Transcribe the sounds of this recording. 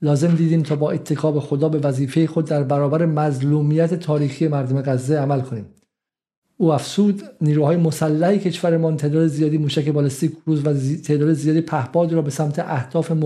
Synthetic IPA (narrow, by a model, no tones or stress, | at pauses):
lɒːze̞md̪iːd̪iːmt̪ʰɒːbɒːʔe̞t̪ʰːe̞kʰɒːbexod̪ɒːbe̞væziːfe̞jexo̞d̪ːæɾbæɾɒːbæɾe̞mæzluːmiːjæt̪ʰe̞t̪ʰɒːɾiːxiːje̞mæɾd̪ome̞ɣæzːeæmælkʰo̞niːm | uːæfz̥uːd̪niːɾuːhɒːjemosælːæhecʰe̞ʃvæɾemɒːnt̪ʰeːd̪ɒːd̪ezijɒːd̪iːmuːʃæke̞bɒlest̪iːkʰɾuːzvæt̪ʰeːd̪ɒːd̪ezijɒːd̪iːpʰæhbɒːd̪ɾɒːbe̞sæmt̪ʰeʔæhd̪̥ɒːfe̞m